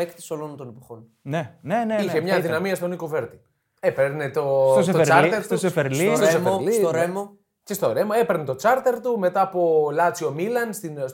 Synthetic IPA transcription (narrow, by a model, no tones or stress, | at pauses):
ekt̪i̥solont̪onipo̥xon | neneneiçemɲɐɐðinɐmiɐst̪o̞nikove̞ɾt̪i̥ | epeɾne̞t̪o̞sost̪oɾɐɾt̪eɾt̪usefeɾliseemolisoɾemo | cest̪o̞ɾemoepeɾnet̪o̞t͡sɐɾt̪e̞ɾt̪ume̞t̪ɐːpo̞lɐt͡sio̞milɐnst̪ins